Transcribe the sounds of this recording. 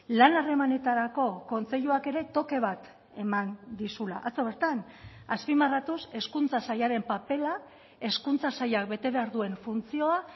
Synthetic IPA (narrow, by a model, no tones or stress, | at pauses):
lanare̞mane̞t̪aɾako̞ko̞nt͡se̞ʎuake̞ɾe̞t̪o̞ke̞β̞at̪ | e̞mand̪isula̰ʔat͡so̞β̞e̞ɾt̪an | aspimarat̪use̞skunt͡sasajaɾe̞mpape̞la | e̞skunt͡sasajakbe̞t̪e̞βe̞aɾðue̞ɱfunt͡sio̞a